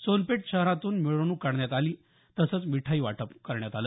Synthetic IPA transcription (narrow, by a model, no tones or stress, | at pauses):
sonpeʈ̚ɕəɦɾãt̪uːnmiɭonuːkaɽɳjat̪aliː | t̪əsət͡smiʈʰaiːʋa̰ʈʰəpkəɾɳjat̪alə